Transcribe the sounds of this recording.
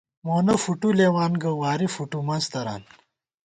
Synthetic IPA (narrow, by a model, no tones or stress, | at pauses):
moːnɐfuʈuleːwaːnɡɐwaːɾifuʈumɐnst̪ɐɾa̰ːn